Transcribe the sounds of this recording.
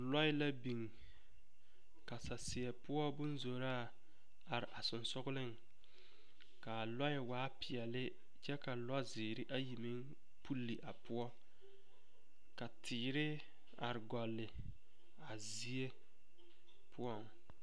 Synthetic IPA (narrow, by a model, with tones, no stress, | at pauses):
lɔ˦ɪ˦la˦bi˨ŋ | ka˨sa˨sɪ˨ɛ˨pʊ˦ɔ˦bʊ˦nzo˨ɾa˦ | a˨ɾɪ˨ʔa˨sʊ˨nsʊ˦ɣʊ˦lɪ˦ŋ | ka˨lɔ˦jɪ˨waː˦pɪ˨ɛ˨lɪ˦ | t͡ʃɛ˦ka˨lɔ˦zɪː˨ɾɪ˦ʔa˦ji˨mɪ˦ŋ | pʰu˦lːi˨ʔa˨pʊ˦ɔ˦ | ka˨tʰɪː˨ɾɪ˦ | a̰˨ɾɪ˨ɡɔ˨lːɪ˨ | a˨zi˦e˦ | pʰʊ˦ɔ˦˨ŋ